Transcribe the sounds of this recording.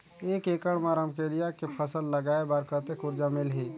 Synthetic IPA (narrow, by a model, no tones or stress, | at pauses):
eːkeːkəɽmaːɾəmkelijakepʰəsəlːəɡaːebaɾkəɾt̪ekʊɾd͡ʒamɪlɦieː